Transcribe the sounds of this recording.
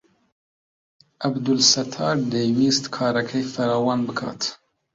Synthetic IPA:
ʔɐbd̪ulsɐt̪ʰɑːɾd̪ejwiːst̪kʰɑːɾɐkʰɛjfɐɾɑːwɑːnbɨkʰɑ̰ːt̪

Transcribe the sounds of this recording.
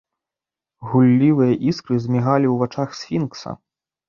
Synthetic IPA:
ɣulʲːivɨjɐʔiskɾɨzʲmʲiɣalʲiwvat͡ʂaxsʲfʲinksɐ̰

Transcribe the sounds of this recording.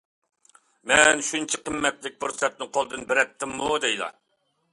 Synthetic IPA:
mɛnʃunt͡ʃʰiqəmːɛt̪lɪk̚ʲpuɾsɛt̪̚nɪqʰolˠd̪ɨnbɪɾɛt̪ʰːɪmːud̪ɛjlˠɑ̰

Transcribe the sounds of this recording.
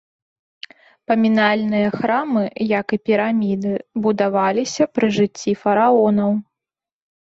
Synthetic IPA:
pɐmʲinalʲnɨjɐxɾamɨjɐkɨpʲiɾamʲid̪ɨbud̪avalʲisʲɐpɾɨʐɨt͡sʲːifɐɾaɔnɐw

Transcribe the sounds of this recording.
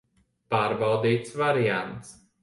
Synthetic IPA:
paːɾbawd̪iːt̪svaɾijant̪s

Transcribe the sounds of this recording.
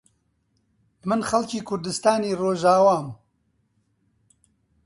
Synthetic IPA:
mɨnxɐlciːkʰʊɾd̪ɨst̪aːniːroːʒaːwaːm

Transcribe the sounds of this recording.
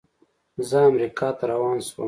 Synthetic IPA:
zəamɾikɑːt̪aɾawɑːnswə̰

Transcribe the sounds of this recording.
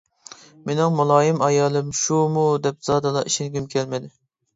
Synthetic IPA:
menɪŋmulˠɑːjɪmɑjɑːlˠɨmʃumud̪ɛp̚z̥ɑːd̪ɨlˠɑʔiʃinɡʲymkʲʰɛlmɪd̪ɪ

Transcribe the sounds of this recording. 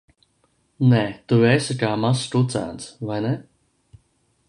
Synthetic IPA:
nɛt̪uɛsɨkaːmast̪ut̪sa̰ːnsvajnɛ

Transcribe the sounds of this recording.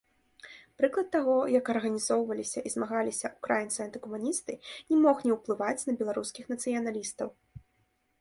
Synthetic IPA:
pɾɨklˠɐt̪ːaɣɔjɐkɐrɣɐnʲizɔwvɐlʲisʲɐʔizmaɣalʲisʲɐʔukɾajint̪sɨɐnt̪ɨkumunʲist̪ɨnʲɛmɔxnʲɛwplˠɨvat͡sʲnɐbʲɛlˠaɾuskʲixnɐt̪sɨjɐnalʲist̪ɐw

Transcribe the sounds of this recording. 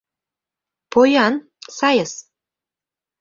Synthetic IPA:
pojɑn | sɑjəs

